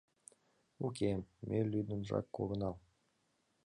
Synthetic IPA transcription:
ukʲemːʔelʲyd̪ənʐɑ̰kːoɣɤ̆nɑl

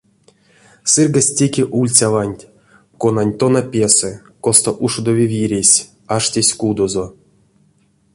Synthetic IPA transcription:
sɨrɡasʲtʲekʲeʔulʲt͡sʲavanʲtʲ | konanʲt̪onapʲesɛ | kost̪oʔuʂud̪ovʲivʲiɾʲesʲ | aʂtʲesʲkud̪ozo

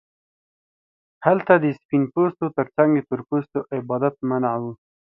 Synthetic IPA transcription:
halt̪ad̪əspinpost̪ot̪əɾt͡saŋɡd̪et̪ʊɾpost̪oʔɪbɑd̪at̪̚manawu

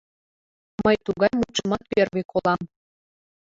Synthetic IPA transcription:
məjt̪uɣɑjmuʃmɑt̪pʲerβʲekʰolˠɑm

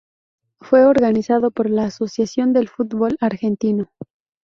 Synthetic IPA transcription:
fwe̞oɾɣanisaðo̞po̞ɾlaːso̞sjasjo̞nd̪e̞lfut̪βo̞laɾxe̞nt̪ino

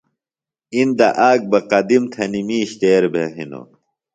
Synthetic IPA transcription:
ind̪ɐʔaːɡ̚bɐqɐd̪imt̪ʰɐnimiːɕt̪eːɾbʱeɦino̰

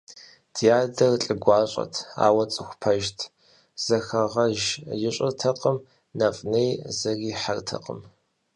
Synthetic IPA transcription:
d̥ʰjaːdɐrɬʼɨɡʷɑːɕʼɐ̰tʰa̰ːwɐt͡sʼɨxʷpʰɐʒtʰ | z̥ɐxɐʁɐʒjɪɕʼɪrtʰɐqʼəm | nɐfʼnejzɐɣiːħartʰɐ̰qʼə̰m

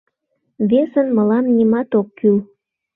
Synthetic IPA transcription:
βesənməlɑmnimɑt̪okːyl

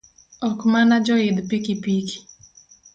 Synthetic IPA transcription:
ɔkmanad͡ʒɔɪd̪pikipiki̥

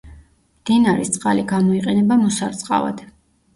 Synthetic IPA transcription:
md̪̥inaɾist̪sʼqʼaliɡamɔiqʼɛnɛbamɔsaɾt̪sʼqʼa̰va̰d̪̥

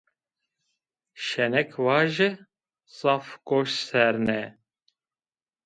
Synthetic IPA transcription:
ʃɛnɛkʰwɑːʒɪ | sɑfkoʃsɛɾnɛ

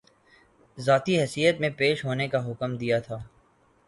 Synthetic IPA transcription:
zaːt̪iɦɛːsijət̪mẽpeːʃɦoːnekaɦʊkmd̪ijat̪ʰaː

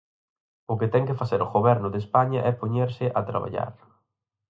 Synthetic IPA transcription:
ʊkɪt̪ɛŋkɪfaseɾʊɣoβɛɾnʊðespaɲɐʔɛpoɲeɾsɪʔat̪ɾa̰βa̰ʎa̰ɾ

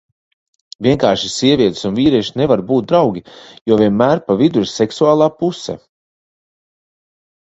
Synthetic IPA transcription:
vʲiɛŋkaːɾʃisiɛvʲiɛt̪sunviːɾiɛʃinevaɾbuːt̪̚d̪ɾawɡʲijɔvʲiɛnmæːɾpavid̪uɾsɛksuaːlˠaːpusɛ̰

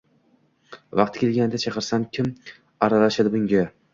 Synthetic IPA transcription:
vɑqt̪kʲelˠɡʲand̪at͡ʃʰɑqɨɾsamkʲʰɪm | aɾalaʃad̪ɪbʊŋɡʲa

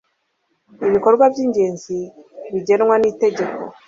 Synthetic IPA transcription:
iβiko̞ɾɡwabɟiːɲɟe̞ːnziβiɟe̞nŋwanite̞ɟe̞ko̞̰

